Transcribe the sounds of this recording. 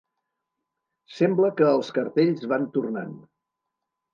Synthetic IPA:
sɛmbləkəːlˠskəɾt̪eʎzβant̪urna̰n

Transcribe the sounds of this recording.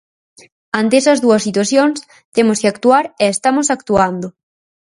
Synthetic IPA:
ant̪eɛsɐzðuɐsːit̪waθjoŋs | t̪emʊskeakt̪uaɾɛːst̪amosak̚t̪uand̪ʊ

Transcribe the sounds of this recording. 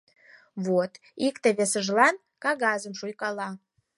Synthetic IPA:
βot̪ | ikt̪eβesəʒlɑn | kɑɣɑzəmʃujkɑlɑ

